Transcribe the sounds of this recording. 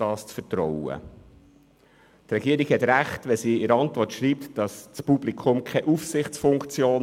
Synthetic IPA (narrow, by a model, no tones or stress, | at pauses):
ɑːst͡sfətɾɔwə̰ | t̪ɾɛɡ̥iəɾiɡhɛtɾæχtʋɛsiːɪɾɑntʋɔrtʃɾiːp̚td̥ɑst͡spublikʰʊmkʰɛʔufsɪχt͡sfʊŋkt͡sjoːn